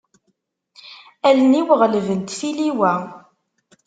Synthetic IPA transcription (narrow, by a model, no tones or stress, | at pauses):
æləniwəʁləvənt̪θiliwæ